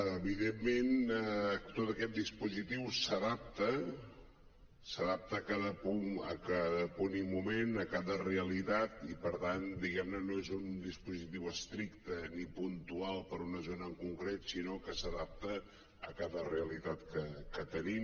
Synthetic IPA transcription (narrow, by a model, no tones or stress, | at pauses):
əβiðemːen | t̪ot̪əkɛt̪̚d̪ispuzit̪iwsəðap̚t̪ə | səðap̚t̪əːkaðəpuŋə̰kaðəponimumenəkaðəreəlit̪at̪ipəɾt̪and̪iɣɛmnənoezund̪ispuzit̪iwəst̪ɾikt̪ənipunt̪ualˠpəɾunəzonəːŋkuŋkɾet̪sinokəsəðap̚t̪əː | kaðəreəlit̪at̪kəkət̪ənim